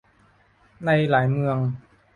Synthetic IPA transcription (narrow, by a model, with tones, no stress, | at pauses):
na˧jlaː˩˦jmɯ˧əŋ